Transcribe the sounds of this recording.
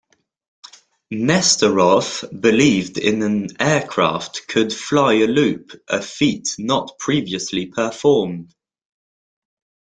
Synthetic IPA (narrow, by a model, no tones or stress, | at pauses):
nɛstəɹɒfb̥ɪliːvdɪ̰̃nə̃nɛːkʰɹ̥ɑ̰ˑftkʰəd̥flaɪəlʉˑpʔəfiˑʔnəʔpʰɹ̥iːviəslipʰəfɔːmd̥